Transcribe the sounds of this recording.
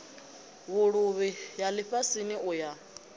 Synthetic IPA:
βuɺuβijalɪɸasiniʔuja

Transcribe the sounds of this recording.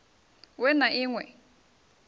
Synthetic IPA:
wɛnaʔɪŋwɛ̰

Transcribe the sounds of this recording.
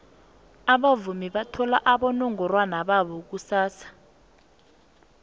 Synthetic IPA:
aɓavumiɓatʰɔlaʔaɓɔnɔŋɔrwanaɓaɓɔk̬usaːsḁ

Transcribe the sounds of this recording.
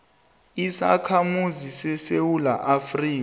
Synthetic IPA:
isa̰kʰamuzisɛsewulaʔafriː

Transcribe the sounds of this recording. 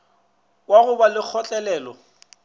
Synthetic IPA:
waɣʊbalɪk͡xʰɔt͡ɬʼɛlɛːlɔ

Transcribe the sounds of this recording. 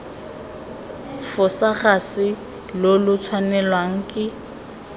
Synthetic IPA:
fʊsaχasɪ | lolʊt͡sʰwanɛlwaŋ̩kʼɪ

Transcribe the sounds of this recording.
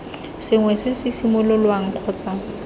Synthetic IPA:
sɪŋwɛsɪsɪsimʊlʊlwaŋ̩q͡χʰɔːt͡sa

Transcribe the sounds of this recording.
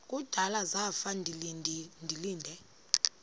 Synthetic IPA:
kʼud̥ʱalazafanʱindʱiliːndʱɛ

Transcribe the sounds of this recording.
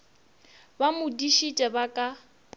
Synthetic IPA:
bamʊdiʃit͡ʃʼɛbakʼa

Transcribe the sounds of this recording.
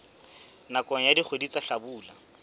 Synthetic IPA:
nakʼɔŋ̩jadiχʰwedit͡saɬabuːla

